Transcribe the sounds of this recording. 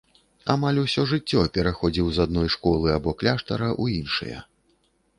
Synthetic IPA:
a̰malʲusʲɔʐɨt͡sʲːɔpʲɛɾaxɔd͡zʲiwzad̪̚nɔjʂkɔlˠɨabɔklʲaʂt̪ɐɾɐʔuinʂɨ̰jɐ̰

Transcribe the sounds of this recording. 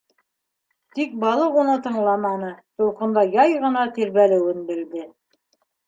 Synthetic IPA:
t̪ik̚bɑlˠɤunɤt̪ɤ̆ɴlˠɑmɑnɤt̪ulˠqɤ̆nd̪ɑjɑjʁɤ̆nɑt̪iɾβælɘ̆wɘnbɘ̆ld̪ɘ

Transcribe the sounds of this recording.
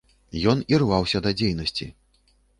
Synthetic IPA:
jɔnirvawsʲɐd̪ɐd͡zʲejnɐsʲt͡sʲḭ

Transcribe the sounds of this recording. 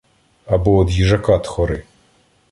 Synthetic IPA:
ɐbɔɔd̪jiʐɐkɑt̪xɔɾɪ

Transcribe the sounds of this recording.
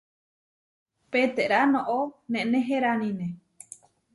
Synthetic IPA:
pet̪eʔɾanõʔonẽʔnẽɦeɾanĩnẽ

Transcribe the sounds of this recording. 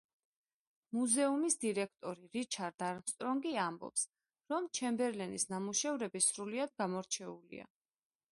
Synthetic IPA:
muzɛumisd̪iɾɛk̚ʰt̪ʼɔɾiɾit͡ʃʰaɾd̪aɾmst̪ʼɾɔŋɡiambɔ̰ps | ɾɔmt͡ʃʰɛmbɛɾlɛnḭsnamuʃɛvɾɛbisɾuliad̪̚ɡamɔɾt͡ʃʰɛulḭa̰

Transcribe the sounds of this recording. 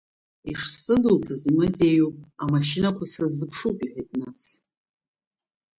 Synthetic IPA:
iʂsɨdɨlt͡sʰazimɨzejupʼamaʃinakʷʰasɨzɨpʰʂukʼiħʷᶣajtʼnas

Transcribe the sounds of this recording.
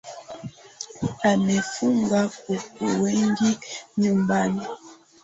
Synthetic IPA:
anɛfuŋɡakukuwɛŋɡiɲumbani

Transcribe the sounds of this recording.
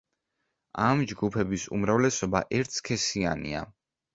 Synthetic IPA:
amd͡ʒɡupʰɛbisṵmɾavlɛsɔbaʔɛɾt̪ʰskʰɛsianḭa̰

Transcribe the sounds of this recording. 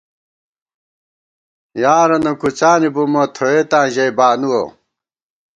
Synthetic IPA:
jaːɾɐnɐkut͡ɕaːnibumɐt̪ʰoet̪ãːʑɐjbaːnuwo̰

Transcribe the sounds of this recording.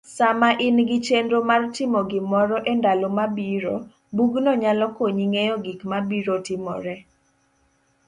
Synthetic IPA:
samaʔɪnɡɪt͡ʃendomartɪmɔɡɪmɔɾɔʔɛndalomabiɾo | buɡnɔɲalɔkoɲiŋejɔɡikmabiɾotɪmɔ̰ɾɛ

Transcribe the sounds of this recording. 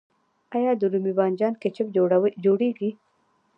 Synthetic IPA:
ɑjɑd̪əɾumibɑnd͡ʒɑnket͡ʃɪbd͡ʒoɽeɡi

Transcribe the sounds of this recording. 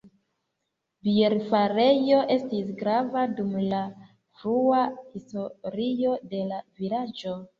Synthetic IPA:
bie̞ɾfaɾe̞jo̞ʔe̞stisɡɾavadumla | fɾuahistoɾio̞de̞lavilad͡ʒo̞

